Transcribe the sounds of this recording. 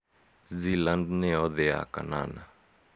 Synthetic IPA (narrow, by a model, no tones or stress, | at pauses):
zilandneɔðea̰ka̰na̰na